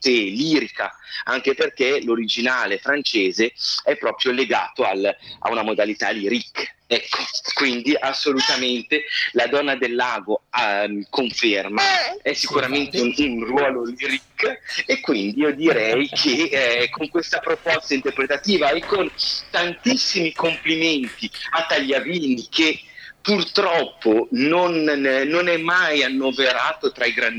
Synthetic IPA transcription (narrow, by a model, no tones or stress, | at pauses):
t̪eliːɾika̰aŋk̟eperk̟eloɾid͡ʒinaːlefɾant͡ʃeːzeɛpːɾɔːpɾjoleɡa̰ːt̪oala̰unamod̪alit̪aliɾikːɛkːo̥kwind̪iʔasːolut̪ament̪elad̪ɔnːad̪elːaːɡoakʰoɱfermaɛsːikuɾament̪eununrwɔːloliɾikːekːwind̪iiod̪iɾɛjkʰekoŋkwest̪apɾopɔst̪aint̪eɾpɾet̪at̪iːvaɛkont̪ant̪isːimikompliment̪iat̪ːaʎːaviːnik̟epurt̪ɾɔpːononːonɛmːajanːoveɾaːt̪ot̪ɾaiɡɾan